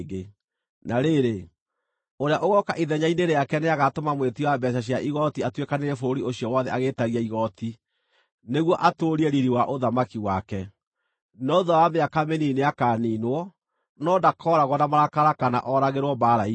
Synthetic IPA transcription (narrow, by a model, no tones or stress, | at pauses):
ɡe | naɾeɾe | oɾeaʔoɣɔkaʔiðɛɲaineɾeakɛneaɣatomamwetiwabɛʃ̬aɕ̬iaʔiɣɔtiatwekaneɾɛfoɾioɕiɔwɔðɛaɣetaɣiaiɣɔti | neɣwɔʔatoɾiɛɾiɾiwaʔoðamakiwakɛ | nɔðawameakamenineakaniːnwɔ | nɔdakʰɔɾaɣwɔdamaɾakaɾakana̰ʔɔɾaɣeɾwɔbaɾai